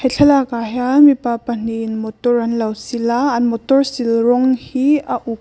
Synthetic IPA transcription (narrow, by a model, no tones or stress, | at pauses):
hɐjɬʰɐlakajamipapan̥inmɔt̪ɔrɐnlɐwsilaɐnmɔt̪ɔrsilrɔŋhiaʔuk̚